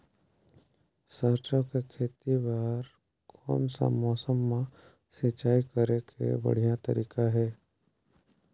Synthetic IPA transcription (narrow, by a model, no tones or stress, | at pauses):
səɾt͡ʃəkekʰeːt̪ibaːɾ | kʰɔ̰ːmsa̰mɔːsəmːã | sɪt͡ʃaːikəɾekʰḛbə̰ɽ̤ijãt̪əɾiːkaɦɛː